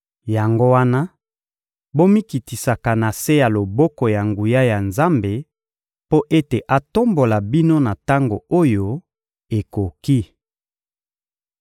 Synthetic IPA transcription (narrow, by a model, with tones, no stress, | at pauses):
ja˨ŋɡo˦wa˦na˦ | bo˦mi˦ki˨ti˨sa˨ka˨na˨se˦ja˨lo˨bɔ˦kɔ˨ja˨ŋɡu˨ja˦ja˨nza˦mbe˨ | po˦ʔe˦te˨ʔa˨to˦mbo˨la˨bi˦no˦na˨ta˦ŋɡo̰˨o˦jo˦ | e˨ko˨ki˦